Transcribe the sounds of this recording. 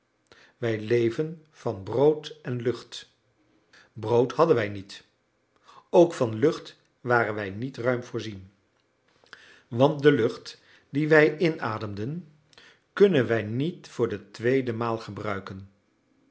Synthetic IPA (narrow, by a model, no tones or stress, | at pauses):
ʋɛjlejvən | v̥ɑnbrowtɛnlɵχt | browthɑdənʋɛjnit | owkfɑnlɵχt | ʋaːrənʋɛjnitrœɥmv̥ʊːɹzin | ʋɑnt̚dəlɵχt | diʋɛjʔɪnaːdəmdən | kɵnənʋɛjnitfʊːɹdətʋejdəmaːlˠχəbrœɥkən